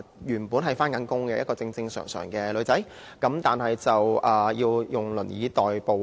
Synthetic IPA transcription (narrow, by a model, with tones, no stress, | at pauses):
jyː˨˩npuː˨˥nɦɐ˨˩jfaː˥nkɐ˨˥nkʊ˥ŋkɛ˧jɐ˥t̚kɔː˧t͡sɪ˧ŋt͡sɪ˧ŋsœ̰ː˨˩ŋsœ̰ː˨˩ŋkɛː˧lɵ˨˧ɥt͡sɐ˨˥j | kɐ˨˥mt̪aː˨nhɐ˨jt͡sɐ˨wʔɐː˨˩jiː˧wjʊ˨˩ŋlɵ̰˨˩njiː˨˥t̪ɔː˨jpo˨w